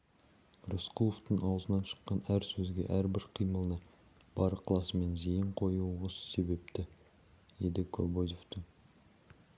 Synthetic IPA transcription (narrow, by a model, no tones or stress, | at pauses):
rosqʰulˠoft̪əɴɑwəzənɑnʃə̥qːɑnæɾsɵzɡʲe̞̰ʔæɾbɪɾqʰijməlˠənɑ | b̥ɑɾəqʰlˠɑsəme̞nzejəɴqʰo̞juʁəsə̥se̞be̞p̚t̪ɪ | j̪e̞d̪ɪkʰo̰bojo̞ft̪əŋ